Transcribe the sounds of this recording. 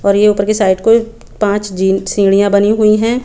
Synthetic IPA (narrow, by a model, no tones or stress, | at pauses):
ɔːɾjeuːpəɾkisaːɪɖko | pãːt͡ʃd͡ʒiːsĩːɽijãbɐniɦʊiɦɛ̃ː